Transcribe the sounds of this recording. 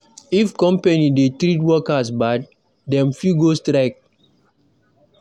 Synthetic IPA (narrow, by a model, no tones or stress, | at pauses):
ifkɔ̃mpenidetɾit̬wɔkasbad | dɛ̃mfjuɡostɾaɪk̚